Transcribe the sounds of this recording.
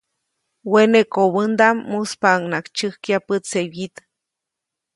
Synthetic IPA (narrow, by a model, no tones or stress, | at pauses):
wenekoβɨnd̪amːuspaŋnakt͡ʃɨhkjapɨsewit̪